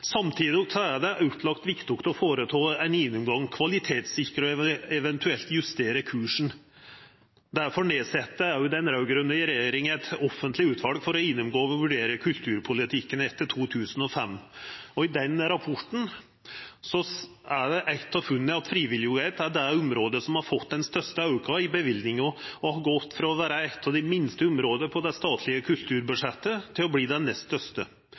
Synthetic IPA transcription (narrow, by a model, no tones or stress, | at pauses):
sɑmt̪ʰiːd̪ɪɡsɔæɖɛʔʉːt̪ʰlɑkt̪ʋɪkt̪ʊkt̪ɔfoːɾət̪ʰɑːɛnɪnːʉmɡɑŋːkʰʋɑlɪt̪ʰeːt̪sɪkːɾəɔɛʋɛnt̪ʰʉɛlt̪jʉst̪eːɾəkʰʉːʂɳ̩ | d̪æɾfɔɳeːsɛt̪ːəæɾjʊd̪ɛnɾɑʉɡɾʉnːəɪɾɛjeːɾɪŋæɪt̪ɔfːənt̪lɪʉːt̪ʰʋɑlɡfɔɾɔɪnːʉmɡoːɔʋʋʉɖeːɾəkʰʉlt̪ʰʉːɾpʰʊlɪt̪ʰɪkːənɛt̪ːət̪ʰuːt̪ʰʉːsən̩ɔfɛmːɔɪd̪ɛnɾɑpʰɔʈːɳ̩ | sɔ | æɖɛʔæɪt̪ːɑʋfʉnːəɑt̪fɾiːʋɪljʊɛɪt̪æɖɛʊmɾoːd̪əsɔmhɑɾfɔt̪ːd̪ɛnst̪œʂt̪əɑʉkʰɑɪbəʋɪld̪nɪŋɔɔhɑɡɔt̪ːfɾɑɔʋæːɾəæɪt̪ːɑʋd̪ɛmɪnst̪əʊmɾoːd̪əpʰɔd̪ɛst̪ɑːt̪ʰlɪəkʰʉlt̪ʰʉːɾbʉʂɛt̪ːət̪ʰɪlɔbliːd̪ɛnːɛst̪stœʂt̪ə